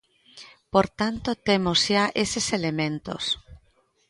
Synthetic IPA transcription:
poɾt̪ant̪ot̪emozʃaʔeseselemẽnt̪o̰s

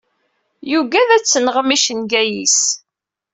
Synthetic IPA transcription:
juɡæðæt͡sːənʁəmiʃənɡæjḭs

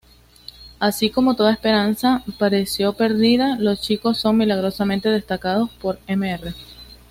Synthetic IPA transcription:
asiko̞mo̞t̪o̞ðaespe̞ɾansapaɾesjo̞pe̞ɾðiðalo̞st͡ʃiko̞sːo̞ŋmilaɣ̞ɾo̞samẽnt̪e̞ðe̞st̪akaðo̞spo̞ɾemeere

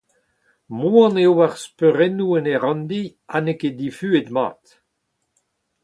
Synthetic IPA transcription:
muɑ̃neowaʁspøʁɛnuɛneʁɑ̃nd̪i | aneked̪ifyːed̪ma̰ːt̪

